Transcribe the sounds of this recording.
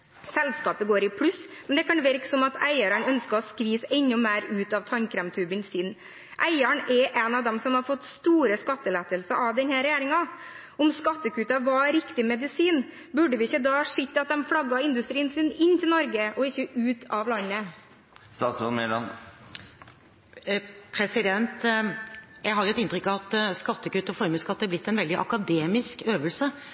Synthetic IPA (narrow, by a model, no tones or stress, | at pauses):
sɛlskɑːpəɡoːɾɪpʰɽʉsmɛnd̪ɛkʰɑnʋɛɾksɔmɑt̪ʰæɪəɾɑnœnskəɾɔskʋiːsɛnːʊmæːɾʉːt̪ɑʋt̪ʰɑnkʰɾɛmt̪ʰʉːbənsɪːn | ʔæɪəɳɛɾʔɛnɑʋd̪ɛmsɔmhɑɾfɔt̪ːst̪uːɾəskɑt̪ːəleːt̪əlsəɾʔɑʋd̪ɛnhæːɾɛjæːɾɪŋɑ | ɔmskɑt̪ːəkʉːt̪ɑʋɑɾɪkt̪ɪmɛd̪ɪsiːn | bʉɖəʋɪɪçːəd̪ɑːʂɪt̪ːəɑt̪̚d̪ɛmfɽɑɡːɑɪnd̪ʉst̪ɾiːənsɪnɪnːt̪ʰɪlnɔɾɡəʔɔɪçːəʔʉːt̪ʰɑʋlɑnːə | st̪ɑːt̪sɔmɛln | pʰɾɛsɪd̪ɛnt̪ | jæɪhɑɾlɛt̪ːɪnt̪ɾʏkːɑɑt̪skɑt̪ːəkʉːt̪ːəfɔɾməskɑt̪ːəɛæblɪt̪ːɛnʋɛld̪ɪʔɑ̰kɑd̪eːmɪskøːʋəlsə